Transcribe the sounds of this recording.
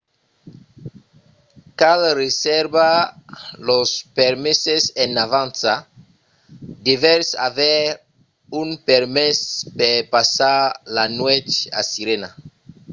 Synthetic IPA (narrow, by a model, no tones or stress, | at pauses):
kalresɛɾba | lospeɾmesesenavãnsa | d̪evɛɾsa̰vɛɾ | unpeɾmespepasaɾlanwɛt͡ʃa̰siɾena̰